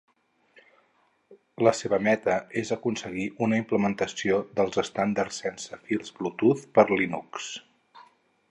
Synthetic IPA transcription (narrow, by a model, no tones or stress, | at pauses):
ləseβəmɛt̪əezəkunsəɣiʔunəimpləmənt̪əsioðəlˠzəst̪and̪əɾsɛnsəfilˠzblut̪uθpəɾlinuks